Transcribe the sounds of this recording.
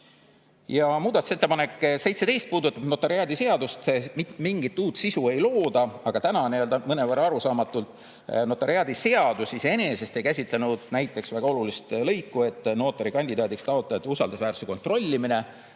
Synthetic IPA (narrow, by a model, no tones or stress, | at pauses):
jɑmuːd̪ɑt̪u̥se̞t̪ːepɑne̞kːse̞jt̪se̞t̪e̞jst̪̚puːd̪ut̪ːˑɑb̥no̞t̪ːˑɑɾiɑːd̪ise̞ɑd̪ust̪mit̪ːˑmiŋɡit̪ːˑuːt̪sisue̞jlo̞ːd̪̥ɑɑɡ̥ɑt̪ænɑniøld̪ɑmɤnevɑrːɑɾusɑːmɑt̪ːˑult̪ˑ | no̞t̪ːˑɑɾiɑd̪̥ise̞ɑd̪̥usise̞ne̞se̞st̪e̞jkæsʲit̪lɑnud̪̥næjt̪ːˑe̞ksvæɡ̥ɑo̞lulist̪lɤ̞jkːue̞t̪ːˑno̞ːt̪ːˑɑɾikɑnʲd̪id̪ɑːd̪ikst̪ɑo̞t̪ːˑɑjɑt̪ːusɑld̪usvæːɾru̥seko̞nt̪ˑro̞lʲːimine̞